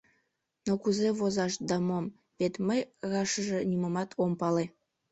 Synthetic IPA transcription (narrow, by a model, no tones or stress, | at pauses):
nokuzeβozɑʃd̪ɑmom | βet̪məjɣɑʃəʒĕnʲimomɑt̪ʰompɑle